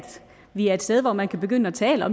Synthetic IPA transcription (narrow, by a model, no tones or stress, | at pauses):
d̥ | ʋiæed̥sd̥eð̞ˠʋɒmænkʰæb̥e̝ɡ̥øn̰əæt͡sʰɛːləɒ̽m